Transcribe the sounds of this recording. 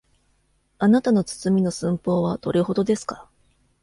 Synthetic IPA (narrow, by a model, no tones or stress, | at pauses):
anat̪ano̞t͡sɨ̥t͡sɨmʲino̞sɨ̃mpo̞ːβat̪o̞ɾiho̞d̪o̞d̪e̞sɨ̥kḁ